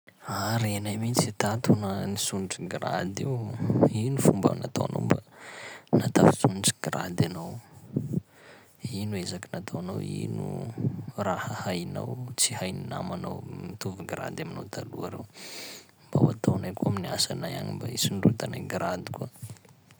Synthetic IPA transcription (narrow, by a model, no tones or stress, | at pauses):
aɾenajmit͡sit̪at̪ʰunənisunʈ͡ʂɡɾa̰d̪iwinufumba̰mnat̪a̰wano̰wmba | nat̪afit͡sunʈ͡ʂɡɾa̰d̪anaw | inuezakinat̪ʰowanawḭnṵ | rahəhajna̰wt͡sihajnina̰manawmit̪uviɡɾa̰d̪aminawt̪ʰaluaɾew | mba̰wa̰t̪ʰawnajkuaminiasanaja̰nimbaisinɖ͡ʐut̪anaɡɾad̪i̥ka